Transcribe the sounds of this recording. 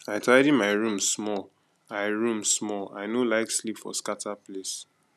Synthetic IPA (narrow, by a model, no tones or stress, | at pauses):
aɪtʰaɪɾimaɪɹũmsmɔl | aɪɹũmsmɔla̰ɪnolaɪkslipfɔ̰skatʰaples